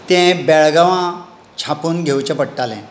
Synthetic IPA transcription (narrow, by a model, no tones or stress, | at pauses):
t̪ɛ̃beɭɡəʋã | t͡ɕʰapuːnɡʱewt͡ɕapəɽʈalɛ̰̃